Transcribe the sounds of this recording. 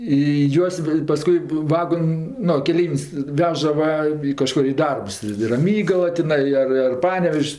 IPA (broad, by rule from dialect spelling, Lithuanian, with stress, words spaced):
ɪ ˈjuɔs ʋɐ pɐˈskʊɪ ˈʋɑːɡoːnʲ ˈnʊ kʲɛˈlʲɛɪʋʲɪnʲsʲ ˈʋʲæːʒɐ ˈʋɐ ɪ kɐˈʃkoːr ɪ ˈdɐrps ɪ ɪ rɐˈmʲiːɡɐlˠɐ tʲɪˈnɐɪ ˈɐr ɐr ˈpɑːnʲɛʋʲɛʃʲsʲ